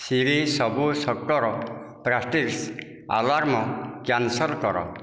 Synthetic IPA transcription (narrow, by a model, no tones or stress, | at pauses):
siɾisɔbusɔkːɔɾɔ | pɾasʈiɾs | a̰laɾmɔkjansɔlkɔɾɔ̰